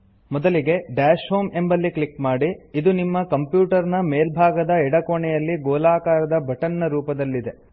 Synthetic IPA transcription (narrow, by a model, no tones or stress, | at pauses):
mɔd̪ɐliɡe̞ɖaːʃɦoːme̞mbɐlːikɭikmaːɽiːd̪unimːɐkɐmpjuːʈɐɾnɐmeːlbʱaːɡɐd̪ɐɛɽɐkoɳɛjɐlːiɡɔːlaːkaːɾɐd̪ɐbʱɐʈɐnːɐɾuːpɐd̪ɐlːid̪e̞